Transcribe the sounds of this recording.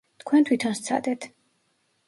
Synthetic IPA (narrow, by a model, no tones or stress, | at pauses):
t̪kʰwɛnt̪ʰwit̪ʰɔnst̪sʰa̰d̪ɛt̪ʰ